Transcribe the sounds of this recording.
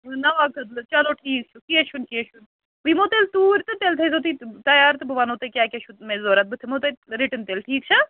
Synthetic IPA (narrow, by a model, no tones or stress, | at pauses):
nɐʋaːkɐd̪lt͡ʃɐloːʈʰiːk̚t͡ʃʰukiet͡ʃʰunkieʃun | ʋimoːt̪elt̪uːɾt̪ɨt̪eːlt̪ʰeːs̬oːt̪̬it̪ɐjaːɾt̪ɨbɐʋanoːt̪ekʲjaːkʲet͡ʃʰumẽzoːɾɐt̪̚bɨt̪ʰemoːt̪eɾiʈənt̪eːlʈʰiːk̚t͡ʃʰɐ